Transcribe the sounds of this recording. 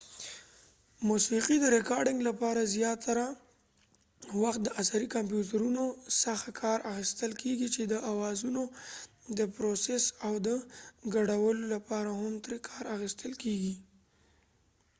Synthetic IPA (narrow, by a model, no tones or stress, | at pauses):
musiqid̪əɾɪkɑɾɖɪŋɡlapɑɾazjɑt̪ːaɾa | waxt̪̚d̪əʔasaɾikampjutaɾunosaxt̪kʰɑɾʔaxist̪əlkʰeɡit͡ʃed̪əʔawɑzuno | d̪əpɾosesawd̪əɡaɽawəlolapɑɾahamt̪ɾekʰɑɾaxist̪ʰəlkeɡi